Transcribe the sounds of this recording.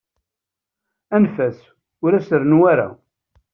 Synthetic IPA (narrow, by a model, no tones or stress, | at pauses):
ænfæs | ʊɾæsəɾnwæɾa̰